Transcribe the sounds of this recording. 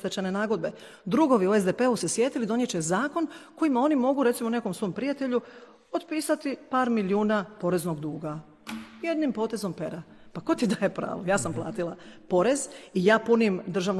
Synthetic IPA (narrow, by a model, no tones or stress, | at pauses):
t̪et͡ʃene̞naːɡo̞d̪̚be̞ | d̪ɾuɡo̞ʋiue̞zd̪epe̞use̞sjet̪ilid̪o̞njet͡ɕezaːko̞nko̞imao̞nimo̞ɡuɾesimone̞ko̞msʋojmpɾijat̪e̞ʎu | o̞td̪piːsat̪ipaːɾmiljuːnapo̞ɾe̞zno̞ɡd̪uːɡa | je̞d̪nimpo̞ːt̪e̞zo̞mpe̞ɾa | pako̞t̪id̪aːjepɾa̰ːʋojaːsamplˠa̰ːt̪ilˠapo̞ɾezijaːpunimd̪ɾr̩ʒaːʋn